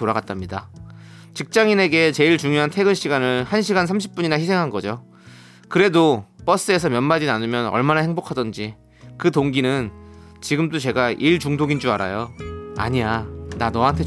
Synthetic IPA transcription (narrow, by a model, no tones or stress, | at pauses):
toɾaɡat͈̚amɲida | t͡ɕik̚t͡ɕ͈aŋine̞ɡe̞t͡ɕe̞iɭt͡ɕuŋjoɦantʰe̞ɡɯnɕʰiɡanɯɭhanɕʰiɡansʰamɕʰi̥p̚p͈uɲinaçisʰe̞ŋɦanɡʌd͡ʑo | kɯɾe̞dop͈ʌs͈ɯe̞sʰʌmjʌnmad͡ʑinanɯmjʌnʌ̰ɭmanahe̞ŋbokʰadʌnd͡ʑi | kɯtoŋɡinɯnt͡ɕiɡɯmdot͡ɕe̞ɡaʔiɭt͡ɕuŋdoɡind͡ʑuaɾa̰joa̰ɲiananʌaɦantʰe